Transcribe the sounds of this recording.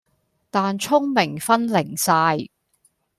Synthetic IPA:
t̪aː˨nt͡ʃʰʊ˥ŋmɪ˨˩ŋfɐ˥nlɪ˨˩ŋsaː˧j

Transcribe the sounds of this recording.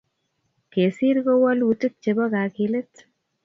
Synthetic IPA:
ke˨si˦ɾko˦wɔ˦lwu˨tɨ˦k̚t͡ʃe˧bɔ˦ka˨ki˧le˦t

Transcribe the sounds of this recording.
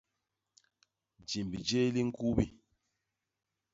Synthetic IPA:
d͡ʒi˨mbi˨d͡ʒe˦li˦ŋ̩˦ku˦bi˦

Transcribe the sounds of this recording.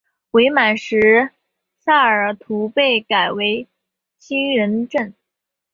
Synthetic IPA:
we˧˥ɪma˨˩nʂɻ̩˧˥ | sa˥˩ə˞˨˩t̪ʰu˧˥pe˥˩ɪka˨˩ɪwe˧˥ɪ | t͡ɕʰi˥ŋɻə˧˥nʈ͡ʂə˥˩n

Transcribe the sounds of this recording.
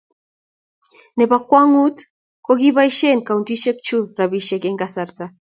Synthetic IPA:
nɛ˨pa˨kwa˦ŋu˦t | ko˦ɡi˦ba˦i˦ʃe˦nka˨u˨nti˦ʃe˦k̚t͡ʃu˦ɾa˨bi˦ʃɛ˨ke˦ŋɡasa˨ɾta

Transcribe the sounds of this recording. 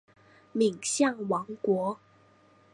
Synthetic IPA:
mi˨˩ŋɕjɑ˥˩ŋwɑ˨˧˥ŋkwɔ˧˥

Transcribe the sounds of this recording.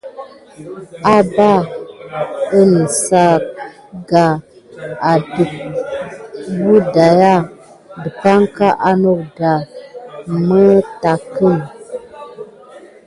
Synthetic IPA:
a˦ba˦˨ | ə˦nə˨sa˦k̚ | ɡa˨ | a˨du˨k̚ | wu˦da˨ja˦˨ | bə˨pa˦ŋka˦ʔa˦no˦˨k̚da˨ | mə˦ta˨kə˦˨m

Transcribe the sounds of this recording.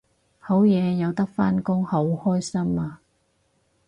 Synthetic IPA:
ho˨˥wjɛː˨˧jɐ˨˧wt̪ɐ˥k̚faː˥nkʊ˥ŋho˨˥whɔː˥jsɐ˥maː˧

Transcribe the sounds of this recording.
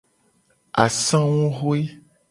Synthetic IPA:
a˨sã˦wũ˦ɣo˦e˦

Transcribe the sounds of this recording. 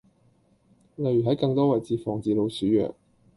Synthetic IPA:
lɐ˨jyː˨˩ɦɐ˨˥jkɐ˧ŋt̪ɔː˥wɐ˨jt͡siː˧fɔː˨ŋt͡siː˨lo˨˧wsyː˨˥jœ̰ː˨k̚

